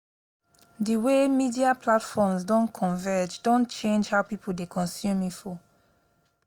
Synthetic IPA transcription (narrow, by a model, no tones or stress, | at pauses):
diwemidiaplatfɔmsdɔ̃nkʰɔ̃nvɛd͡ʒdɔ̃nt͡ʃẽnd͡ʒhawpipʰuldekʰɔ̃nsjũmĩfɔ